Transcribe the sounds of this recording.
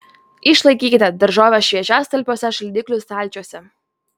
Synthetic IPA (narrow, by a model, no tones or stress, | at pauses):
iʃlˠɐɪkʲiːkʲɪt̪ʲɛd̪ɐɾʒɑːʋʲɛʃʲʋʲiɛt͡ʃʲæːst̪ɐlʲpʲoːsʲɛʃɐlʲd̪ʲɪkʲlʲʊst̪alʲt͡ʃʲoɔsʲɛ